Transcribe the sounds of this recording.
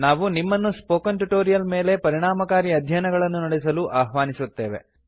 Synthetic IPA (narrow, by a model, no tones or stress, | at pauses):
naːʋunimːɐnːuspoːkɐnʈuʈoːɾijɐlme̞ːle̞pɐɾiɳaːmɐkaːɾiɐd̪ʱjɐnɐɡɐɭɐnːunɐɽɛsɐluʔaːɦʋaːnisut̪ːeːʋe̞̰